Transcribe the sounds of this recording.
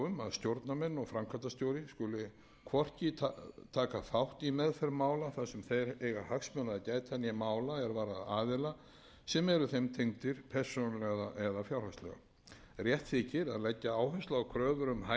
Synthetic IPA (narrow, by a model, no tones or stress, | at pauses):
ʏma̰ðst̪jowɾt̪namɛnːɔɣfɾamkʰvat̪ast̪jowɾɪskʏlɪ | kʰvɔr̥cɪt̪ʰaːkafawht̪imɛðfɛɾmaːwlaθasɛmθejɾejɣahaksmœnaðacaːjt̪ʰanijamaːwlaɛɾvaːɾaðaːðɪla | sɛmɛɾʏθɛmt̪ʰejŋt̪ɪɾ̥pʰɛɾ̥sonlɛɣaʔɛðafjawlvast̪lɛ̰ɣa̰ | rjɛht̪θɪcɪɾaðlɛcːaaːwhœst̪laawkʰɾœːðʏɾʏmha